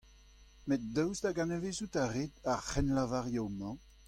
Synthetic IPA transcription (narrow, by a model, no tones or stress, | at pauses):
met̚dœwzd̪aɡanəvezutaʁeːd̪aʁχɛnlavaʁjɔwmɑ̃